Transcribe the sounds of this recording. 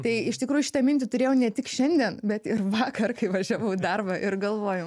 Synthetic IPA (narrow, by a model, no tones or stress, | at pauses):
t̪ɐɪɪʃt̪ʲɪkɾuːjuʃʲɪt̪ɐmʲɪnʲt̪ʲɪt̪ʊɾʲeːjɛʊnʲɛt̪ʲɪkʃʲɛnʲd̪ʲiɛnbʲɛt̪ɪɾʋɑːkɐrkɐɪʋɐʒʲæːʋɐʊd̪ɐrbɐʔɪrɡɐlˠʋoːjo